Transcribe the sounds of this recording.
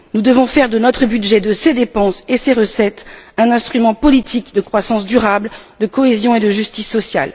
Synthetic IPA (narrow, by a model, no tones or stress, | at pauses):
nud̪əvɔ̃fɛʁd̪ənɔt̪χəbyd̪ʒɛd̪əsed̪epɑ̃seseʁəsɛt̪ɛ̃nɛ̃st̪χymɑ̃pɔlit̪ʰikd̪əkχwasɑ̃sd̪yʁabld̪əkɔezjɔ̃ed̪əʒyst̪isːɔsja̰l